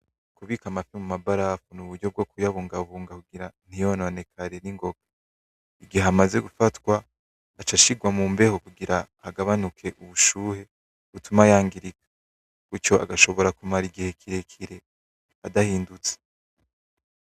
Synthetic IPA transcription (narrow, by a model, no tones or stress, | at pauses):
kuβikamafimumabaɾafunuβuɾɟo̞b̚ɡo̞kujaβuːŋɡaβuːŋɡakuɡiɾan̥hijono̞ne̞kʰaɾe̞niŋɡo̞ɡ̥ḁ | iɡiheamaze̞ɡufatwaː | t͡ʃaʃiɡwamuːmbe̞hokuɡiɾahaɡaβanukʰe̞ʔuβuʃuːhe̞ | βutumajaːŋɡiɾikḁ | ɡ̥ut͡ʃo̞ʔa̰ɡaʃo̞βo̞ɾakumaɾiɡihe̞kʰiɾe̞kʰiɾe̞ | adahiːndut͡se̥